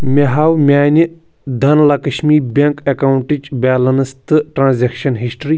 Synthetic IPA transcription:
mʲeɦaːwmʲaːnʲi | d̪ɐnlakɐʃmiːɾbʲeŋkekawuɳʈid͡ʒbʲaːlɐnst̪ɨʈɾãːnzekʃɐnɦisʈɾi

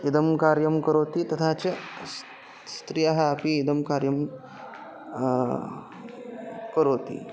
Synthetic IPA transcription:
id̪ɐmkaːɾjɐmkɐɾoːt̪it̪ɐt̪ʰaːt͡ʃɐ | st̪ɾijɐɦɐːpiːd̪ɐmkaːɾjɐm | kɐɾoːt̪ḭ

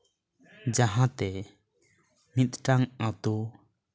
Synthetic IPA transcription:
d͡ʒaɦat̪ɛ | mit̪̚ʈaŋat̪u

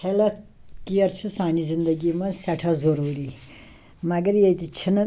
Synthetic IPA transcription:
helɐt̪kijɐɾt͡ʃʰusãːnizind̪ɐɡimɐsɐʈʰɐzoɾuɾi | mɐɡɐɾjet̪it͡ʃʰinɐ

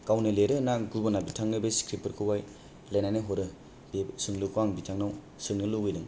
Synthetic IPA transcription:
kawnɯleɾɯnaɡubanabitʰaŋnɯbeskɾipɯɾkʰɯwaj | lajnajnɯɦɔɾɯ | bsɯŋlɯkʰaŋbitʰaŋnaw | sɯnɯlɯɡɯjnɯŋ

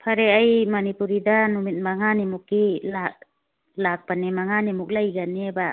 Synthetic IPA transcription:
pʰaɾɛajmanipuɾid̪anumit̪̚maŋanimukilaʔ | lak̚panɛmaŋanimuk̚lajɡaniɛba

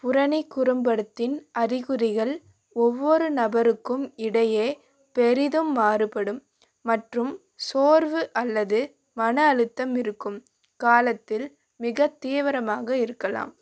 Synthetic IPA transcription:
pʊɾɐnɪkːʊɾɯmbɐɽɯt̪ːɪnʔɐɾɪɣɯɾɪɣɐɭ | ɔʋːɔɾɯnɐbɐɾɯkːɯmɪɽɐjeː | pɛɾɪðɯmːaːɾɯpɐɽɯmː | ɐʈrɯm | soːɾʋɯʔɐlːɐðɯ | mɐnɐːɻɯt̪ːɐmɪɾɯkːɯm | kaːlɐt̪ːɪl | mɪɣɐt̪ːiːʋɐɾɐmaːɣɐɪɾɯkːɐla̰ːm

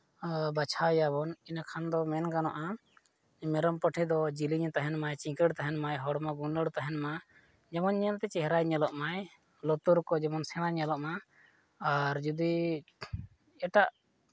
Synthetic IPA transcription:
bat͡ʃʰajaβɔninakʰand̪ɔmɛnkanɔʔa | mɛɾɔmpəʈʰɛd̪ɔd͡ʒiliɲt̪aɦɛnmajt͡ʃĩkəɽt̪aɦɛnmajɦɔɽmaɡunəɽt̪aɦɛnma | d͡ʒɛmɔnɲənt̪ɛt͡ʃɛɦɾajɲɛlɔʔmaj | lɔt̪uɾkɔd͡ʒɛmɔnsɛɽ̃aɲɛlɔʔma | aɾd͡ʒud̪i | ɛʈaʔ

